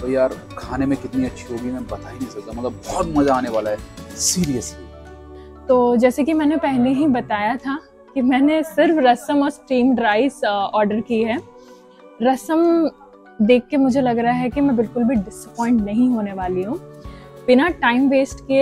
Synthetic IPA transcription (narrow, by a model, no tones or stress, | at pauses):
t̪ojaːɾ | kʰaːnemẽkɪt̪niɐtːʃʰiɦoːɡimẽbɐt̪aːinɐɦĩsɐk̚t̪amɐt̪ləbbɔːt̪mɐzaaːneʋaːlaɦɛsiːɾijəsli | t̪oːd͡ʒɛːsekimɛ̃ːnepɛɦleɦibɐt̪aːjat̪ʰa | kimɛ̃ːnesɪɾfɾɐsəmɔːɾsʈɾiːmɖɾaːɪzɔːɾɖəɾkiɦɛː | ɾɐsəm | d̪eːkʰːemʊd͡ʒʱelɐɡɾɐɦaɦɛkimɛ̃bɪlkʊlbʱiɖɪsəpɔ̃ːɪ̃ɳʈnɐɦĩɦoːneʋaːliɦũːbɪnaʈaːɪmʋeːsʈke